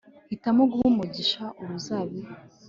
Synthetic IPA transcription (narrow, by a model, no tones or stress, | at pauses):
hitamoɡuhumuɟiʃaʔuɾuzaβi